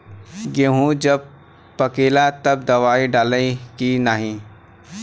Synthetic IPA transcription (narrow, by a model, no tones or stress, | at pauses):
ɡeɦũd͡ʒɐb̚ | pəkeːlat̪ɐb̚d̪ɐʋaːiɖaːlekinaːɦĩː